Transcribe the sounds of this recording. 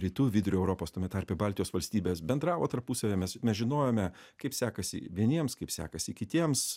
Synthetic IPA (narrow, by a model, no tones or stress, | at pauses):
ɾʲiːt̪uːʋʲɪd̪ʊɾʲʊɛʊɾoːpoːst̪oːmʲɛt̪ɑɐɾʲpʲebɑːlʲt̪ʲɪjoːsʋɐlʲsʲt̪ʲiːbʲeːsbʲɛnd̪ɾɑːʋoːt̪ɐɾpusɐʋʲeːmʲɛsmʲɛsʒʲɪnoːjoːmʲɛkɐɪpsʲæːkɐsʲɪ̰ʋʲiɛnʲiɛmskɐɪpsʲæ̰ːkɐsʲɪkʲɪt̪ʲiɛms